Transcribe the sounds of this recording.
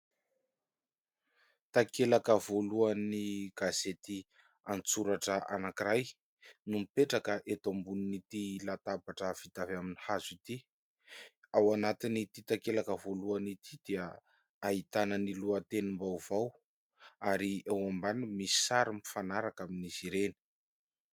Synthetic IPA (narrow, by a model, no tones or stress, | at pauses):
t̪akelakəvoluaniɡ̥azet̪i | ant͡suɾaʈ͡ʂəʔa̰nakiɾaj | numipeʈ͡ʂakəʔet̪ombuninit̪ilat̪abaʈ͡ʂəv̥it̪avaminihazit̪i | awanat̪init̪it̪akelakəvoluanit̪ʰid̪̥iə | aɦit̪anəniluat̪enimbawv̥aw | aɾiawambanimisi̥saɾimifanaɾakaminiziɾeni̥